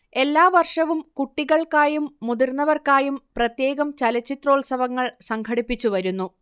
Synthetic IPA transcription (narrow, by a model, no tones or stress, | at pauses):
e̞lːaːʋɐrʂɐʋumkuʈːiɣɐɭkaːjumːud̪irnːɐʋɐrkaːjumprɐt̪je̞ːɣɐmt͡ɕɐlɐt͡ɕːit̪ro̞ːɭsɐʋɐŋːɐɭsɐŋkʰɐɽipːit͡ɕːuʋɐɾunːu